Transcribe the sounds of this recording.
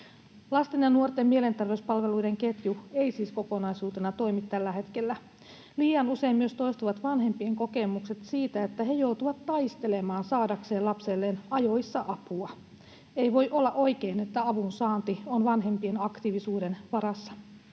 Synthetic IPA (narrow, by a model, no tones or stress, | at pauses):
lɑst̪enjɑnuort̪emmielent̪erʋeuspɑlʋe̞luideŋket̪jue̞isiːskokonɑisuːt̪enɑt̪o̞imit̪ːælːæhe̞t̪kelːæ | liːjɑnuse̞immyøst̪o̞jst̪uʋɑt̪ʋɑnɦe̞mpie̞ŋko̞ke̞mukset̪siːt̪æet̪ːæɦe̞jout̪uʋɑt̪ːɑist̪e̞lemɑːnsɑːdɑkse̞ːlɑpselːenɑjoisːɑʔɑpuɑ | eiʋojʔolːɑʔo̞jkeːnet̪ːæɑʋunsɑːnt̪ionʋɑnɦe̞mpie̞nɑkt̪iʋisuːde̞nʋɑɾɑsːɑ̥